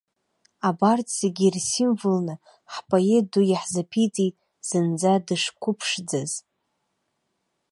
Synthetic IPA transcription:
abartʰʼseɡʲirsimvɨlnɨ | ħpʼoedujaħzapʰit͡sʼijtʼ | z̥ɨnd͡zadɨʂkʷʰʊpʰʂd͡zɨz̥

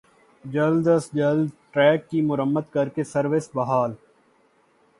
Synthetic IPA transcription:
d͡ʒɐld̪əsd͡ʒəld̪ʈɾɛːkːimʊɾəmːəd̪kɐɾkesəɾʋɪsbɐɦaːl

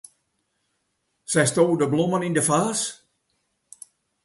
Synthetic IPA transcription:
sɛjstoːdəblɔmənindəfaːs

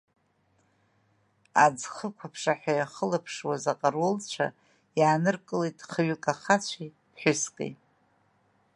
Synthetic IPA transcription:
a̰d͡zχəkʷʰapʰʂaħʷᶣajaχəlapʰʂwazaqʼarolt͡ʃʷʰa̰ | jaːnɨrkʼɨlejtʼχəɥʏkʼaχat͡ɕʷʰi | pʰħʷʊskʼḛjʼ

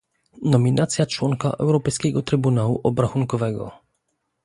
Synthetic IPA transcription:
nɔmʲinʔat̪sʲjat͡ʂwɔŋka̰ʔɛ̰wɾɔpɛjskʲɛɡɔt̪ɾɘbunawuʔɔbɾaxuŋkɔvɛɡɔ̰

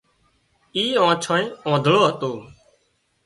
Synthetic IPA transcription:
iːõːt͡ʃʰõːẽːõːd̪ʱɭoːɦət̪oː

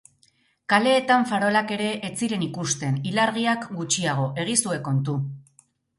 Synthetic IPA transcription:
kale̞ːt̪aɱfaɾo̞lake̞ɾe̞ʔːt͡siɾe̞nikust̪e̞nilaɾɣ̞iakɡut͡ʃiaɣ̞o̞ʔe̞ɣ̞isue̞ko̞nt̪u

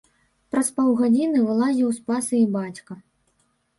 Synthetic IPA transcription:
pɾɐspɔwɣad͡zʲinɨvɨlˠazʲiwspasɨibat͡sʲkɐ

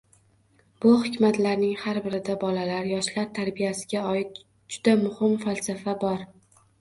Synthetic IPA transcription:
bʊhɪkʲmat̪laɾnɪŋhaɾbɪɾɪd̪abɒlalaɾjɒʃlaɾt̪ʰaɾbijasɪɡʲaɒɪt̪̚ | d͡ʒʊd̪amʊhɪmfalsafabɒɾ

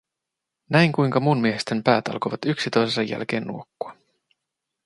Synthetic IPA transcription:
næijŋkujŋkɑmunmieɦest̪empæːt̪ɑ̰lkojʋɑt̪yksit̪o̞jsesɑjːæ̰lk̟e̞̰ːnːṵokːuɑ

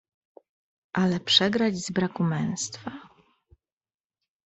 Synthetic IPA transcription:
ʔalɛpʂɛɡɾad͡ʑzbɾakumɛ̃w̃st̪fa

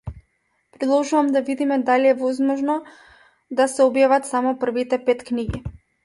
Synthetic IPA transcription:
pɾɛd̪lˠɔʒuvamd̪avid̪imɛd̪aliɛvɔzmɔʒnɔ | d̪asɛɔbjavat̪samɔpr̩vit̪ɛpɛt̪kniɡi

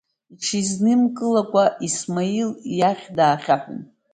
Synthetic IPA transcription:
iʈ͡ʂʰiznɨmkʼɨlakʷʼaʔismailjaχʲdaːχʲaħʷʊ̰n

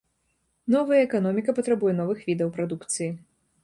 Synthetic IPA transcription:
nɔvɐjɐɛkan̪ɔmʲikɐpɐt̪ɾabujɛn̪ɔvɨxvʲid̪ɐwpɾad̪ukt̪sɨji

